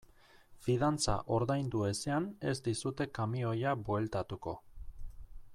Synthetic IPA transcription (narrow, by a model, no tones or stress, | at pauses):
fiðant͡sa̰ʔo̞ɾðajnd̪ue̞seane̞zd̪isut̪e̞kamio̞jabwe̞lt̪at̪uko̞